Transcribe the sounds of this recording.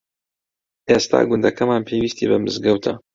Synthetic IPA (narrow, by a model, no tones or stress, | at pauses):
ʔest̪ʰa̰ːɡʊnd̪ɛkʰɛmaːnpʰeːwiːst̪iːbɛmɨzɡɛwt̪ʰɐ